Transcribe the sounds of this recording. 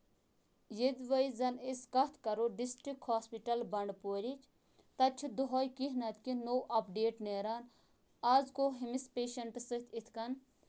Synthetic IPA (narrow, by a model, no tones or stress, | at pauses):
jed̪ʋɐjzɐniskɐt̪ʰkɐɾoɖisʈɾik̚haːspiʈɐlbɐɳɖpoːɾit͡ʃʰ | t̪ɐt͡ʃʰud̪oɦoːjkiɦnɐt̪kinoːʔɐpɖeːʈneːɾaːn | aːzkoːɦimispeːʃɐɳʈsɨt̪ʰit̪ʰkɐn